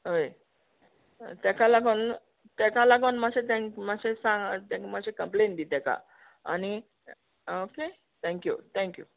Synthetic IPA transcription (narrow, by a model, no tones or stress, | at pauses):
ɦoj | t̪ɛkalaɡon | t̪ɛkalaɡonmaɕet̪ɛ̃ŋkmaɕesãŋɡt̪ɛmad͡ʑekəmplẽnd̪it̪ɛka̰ | a̰ni | oke | t̪ʰɛ̃ŋkjṵt̪ʰɛ̃ŋkjṵ